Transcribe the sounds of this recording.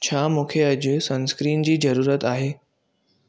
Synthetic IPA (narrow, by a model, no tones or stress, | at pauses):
t͡ɕʰaːmũːkʰeɐd͡ʑʊsɐ̃nskɾiːnd͡ʑiːzɐɾuːɾət̪aːɦeː